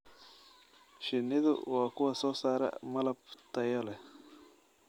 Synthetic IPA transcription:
ʃɪnːɪðʊ̰wɑːkʰʊwɐsɔːsaːɾɐ̰mɐlɐb̚t̪ʰɐjɔlɛ

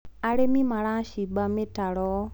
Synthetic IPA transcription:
aɾemĩmãɾãʃiɡ͡bamẽtaɾɔ

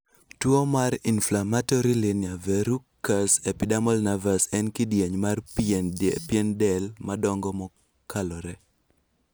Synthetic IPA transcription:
twomaɾinflamatɔɾilɪnjavɛɾukːasɛpidamɔlnavasɛnkɪdjeɲmarpnpjɛndɛlmadɔŋɡɔmɔ | kalɔɾɛ

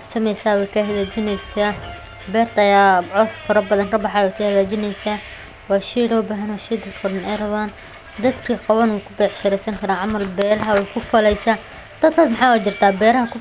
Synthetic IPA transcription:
ħsɐmɛjsaːwɛjkʰɐɦɐðaːt͡ʃɪnɛjsaː | bɛːrt̪ʰɐɐjaːʕɔːsfɐɾɐbɐðɐnkɐbɑħaːwɛjkʰɐhɐðaːt͡ʃɪnɛjsaː | wɑːʃiːlɔːbaːɦɐnwɔʃiːd̪ɐkʰɔɽɐnɛjrɐβaːn | d̪ɐd̪kʰɐqɑwɐnuːkʰʊbɛħʃɐɾɛjsɐŋkʰɐɾaːʕɑmɐlbɛːlɐɦɐwɛjkʰʊfɐlɛjsaː | d̪̥ɐd̪kʰaːsmɑħɑːwat͡ʃɪrt̪ʰaːbɛːɾɐɦɐkʰʊ

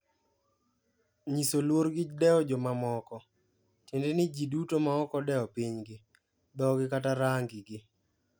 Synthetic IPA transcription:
ɲisolwoɾɡɪdɛɔd͡ʒɔmamɔkɔ | tendenɪd͡ʒidutomaɔkɔdɛɔpiɲɡɪ | d̪ɔɡɪkataɾaŋɡɪɡɪ

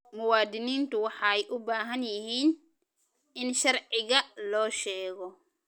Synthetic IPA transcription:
mʊwaːd̪ɪniːnt̪ʊwɑħɑɛjʔʊbaːɦɐnjɪhiːn | ɪnʃɐɾʕɪɣɐlɔːʃɛːɣɔ

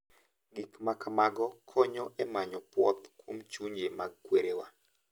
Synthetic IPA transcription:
ɡikmakamaɡɔkʰɔɲɔʔɛmaɲɔpwɔt̪kwomt͡ʃuɲd͡ʒemaɡ̚kweɾewa

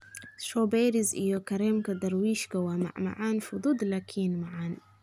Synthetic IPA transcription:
ʃobeːɾizḭjokaɾemkad̪ɑɾˤwiːʃkawama̰ʕma̰ʕaːnfud̪ud̪lakʰiːnmaʕan

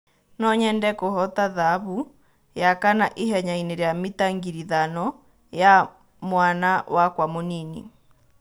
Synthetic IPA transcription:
nɔɲɛndɛkohɔtaðaːβu | jakanaʔeɦɛɲaineɾjamitaŋɡiɾiðanɔ | ja | mwanawakwamoninḭ

